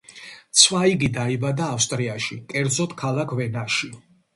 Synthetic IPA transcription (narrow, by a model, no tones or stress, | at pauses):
t̪sʰwaiɡid̪aibad̪aːfst̪ʼɾiaʃikʼɛɾd̪zɔt̪ʰkʰalˠakʰvɛnaʃi